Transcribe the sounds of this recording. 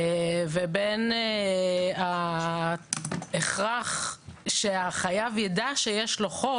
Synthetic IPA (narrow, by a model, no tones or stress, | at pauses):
veben | a | eχʁaχʃeaχajavjedaʃejeʃloχo